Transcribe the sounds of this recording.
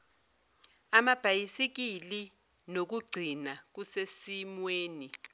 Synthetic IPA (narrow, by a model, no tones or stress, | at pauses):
amab̥ʱajisik̬ili | nok̬uɡ͡ǀʱinak̬usesimweːni